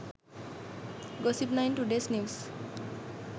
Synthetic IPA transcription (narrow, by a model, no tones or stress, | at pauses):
ɡɔsipnajnʈuɖesnims